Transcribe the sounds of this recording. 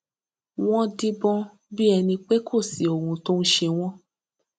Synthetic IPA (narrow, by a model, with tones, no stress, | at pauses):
w̃ɔ̃˦di˦bɔ̃˦ | bi˦ɛ˧nĩ˧k͡pe˦kʰo˦˨si˨o˨wũ˧to˦n̩˦ʃe˧w̃ɔ̃˦